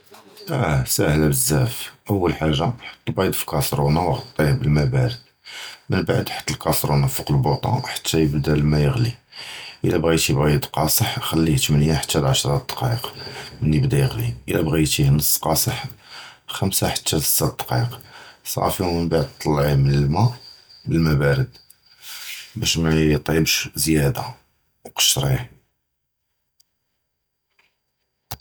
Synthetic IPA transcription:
ʔæsæhlæbəzːæfʔəwːəlħaʒːaħə̥t̪ːəlbɑjd̪fi̥kɑsɾunawɣt̪ˤːihbəlmæbaɾə | mənbaʕd̪ħə̥t̪ːəlkɑsɾunɑfuqəlbot̪ˤɑ̰̃ħḁt̪ːæjəbd̪ælmæjəɣliʔəlːæbɣijt̪ibæjəd̪qɑsˤəħxælːiht̪mənjaħḁt̪ːælʕaʃɾˤɑd̪̥qɑəqmənjəbd̪æjəɣliʔəlæbɣijt̪ihnəsˤːqɑsˤəħ | xəmsaħat̪ːætə̥t̪ːæd̪qɑ̰qsˤɑ̰fimənbaʕd̪̚t̪ˤːɑlːʕimənəlmæʔbəlmæbæɾəd̪ | bæʃmæt̪ˤibʃzjæd̪a | wqə̥ʃɾiħ

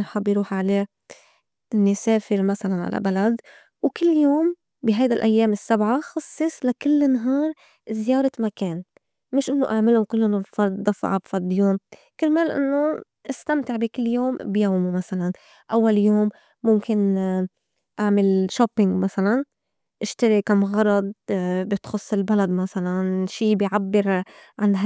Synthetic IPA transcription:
ħɑbːjɾuːħʕaleː | ʔɪnːiseːfɪɾmasalanʕa̰la̰balad̪ | wkɪlːjoːm | bɪɦajd̪alʔajːeːmɪsːabʕaxɑsˤːɨsˤlakɪlːnɦɑːɾˤ | zɪjɑːɾˤɑmakeːn | mɪʃʔɪnːoʔaʕmɪlʊkɪlːʔʊnʊlfɑɾˤd̪ˤːɑfɑ̰ʕabfɑɾˤd̪ˤjoːm | kɪɾmeːlʔɪ̰nːo | ʔast̪amt̪ɪʕbikɪlːjoːmbjaːmumasalan | ʔawːaljoːmː | ʊmkɪn | ʔaʕmɪlʃopːɪŋɡmasalan | ʔɪʃt̪aɾikamʊɣɑrˤːɑd̪̚ˤbɪt̪xʊsˤːɪlbalad̪masalanʃiːbɪjʕabːɪɾʕanɦ

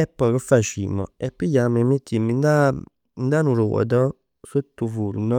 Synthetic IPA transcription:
ɛpːɔjkofːat͡ʃḭːmɔ̰ɛpːijamemet̪ːimind̪a | nd̪anuɾɔ̰ːd̪ɔ | sut̪ːufuɾnɔ

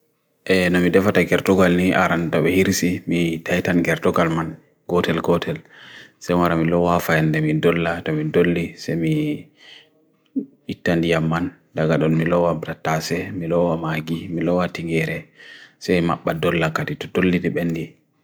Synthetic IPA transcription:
ʔɛnɔmidɛfataɡɛɾtɔɡalniʔa̰ɾantɔɓɛhiɾsimitajtanɡɛɾtɔɡalman | ɡ̥ɔtɛlɡɔtʰɛlsɛjwaɾamilɔwafajandɛmidɔlːatɔmidolːisɛjmi | itːandijamːan | daɡaɗɔnmilɔwabɾatasɛmilɔwamaɡimilɔwatiŋɡɛɾɛsajmaɓːadɔlːakaditɔdolːidɛɓɛndi

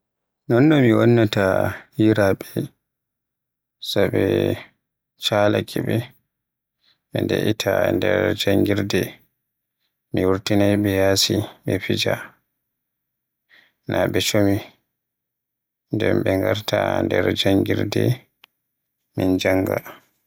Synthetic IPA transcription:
nɔnːɔmiwɔnːatahiɾaɓɛ | sabɛ | t͡ʃalakʰɛɓɛ | ɓɛndɛʔitʰandɛɾd͡ʒaŋɡiɾdɛ | miwuɾtinajɓɛjasiɓɛfid͡ʒa | nʔaɓɛt͡ʃomi | ndɛmɓɛŋɡaɾtandɛɾd͡ʒaŋɡiɾdɛ | mind͡ʒaŋɡa̰

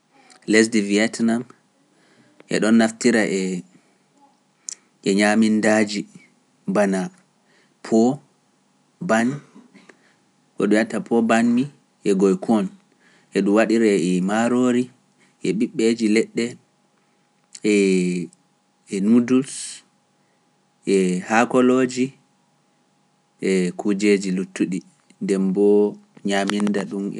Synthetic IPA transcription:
lɛs̬diviɛtnam | ʔɛ̰ɗɔnːaftiɾaʔɛ | ʔɛɲamindad͡ʒi | bana | pʰɔ | ban | kɔ̰ɗujatapʰɔbanmi | ʔɛɡɔjkʰɔn | ʔɛɗumwaɗiɾɛɛmaɾoɾi | ʔɛɓiɓːed͡ʒilɛɗːɛ | ɛ | nudus | ʔɛhakɔlod͡ʒi | ʔɛkʰud͡ʒed͡ʒilutːuɗi | ndɛmbɔɲamindaɗumɛ

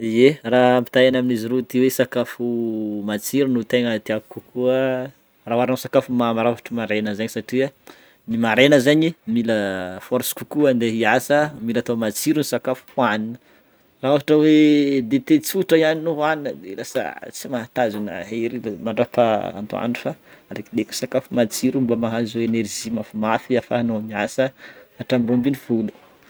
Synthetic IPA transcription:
ieraampi̥t̪ajanaminiziɾut̪iwesakafumat͡siɾunut̪eŋət̪eaku̥kukʰuə | raɦaɾnasakafumamaɾavaʈ͡ʂəmaɾenəzaɲisaʈ͡ʂia | nimaɾenəzaɲimiləfɔɾsi̥kukuand̪eɦiasəmilat̪amat͡siɾinisakafu̥hwaninə | raavaʈ͡ʂəwed̪et̪et͡suʈ͡ʂəijaninoaninəd̪elasə̰t͡simaɦat̪azuna̰ɦeɾimaɳɖ͡ʐapaa̰nd̪ua̰nufaaɾekileku̥sakafumat͡siɾumbamaɦazoenerʒimafumafiafaanomiasəaʈ͡ʂamiɾombiniv̥ulu̥

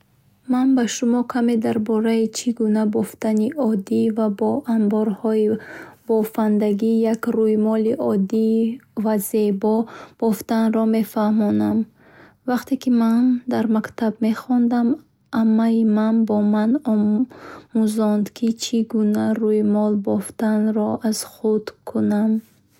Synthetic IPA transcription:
manbaʃumɔkʰame̞d̪aɾbɔɾait͡ʃʰiɡunabɔft̪aniʔɔd̪ivabɔʔambɔɾhɔib̥ɔfand̪aɡijakɾujimɔliʔɔd̪ivaze̞bɔb̥ɔft̪anɾɔme̞fahmɔnam | vaqt̪ekimand̪aɾmakt̪ʰabme̞χɔnd̪am | amːaimanbɔmanɔ | muzɔnd̪kʰit͡ʃʰiɡunaɾujimɔlbɔft̪anɾɔʔaz̥χud̪kʰunam

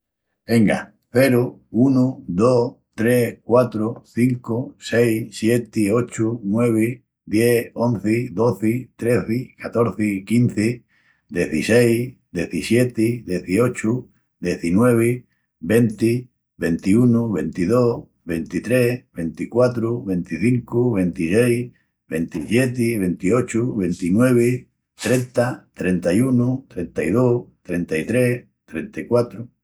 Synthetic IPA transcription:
be̞ŋɡa̰ | θe̞ɾuunuðot̪ɾe̞kwat̪ɾoθiŋkosejsje̞t̪io̞t͡ʃunwe̞β̞e | d̪je̞õ̞nθeðo̞θɪt̪ɾe̞θɪkat̪o̞ɾθɪkinθe | d̪jeθisejd̪e̞θisje̞t̪eðje̞θio̞t͡ʃu | d̪je̞θinwe̞β̞e | be̞nt̪i | βent̪iunuβe̞nt̪iðo | βe̞nt̪it̪ɾeβe̞nt̪ikwat̪ɾuβe̞nt̪iθiŋkuβe̞nt̪isej | βent̪isjet̪̬iβe̞nt̪iot͡ʃuβe̞nt̪inwe̞β̞e | t̪ɾent̪at̪ɾent̪ajunut̪ɾe̞nt̪aiðot̪ɾent̪ait̪ɾe | t̪ɾent̪aikwat̪ɾu

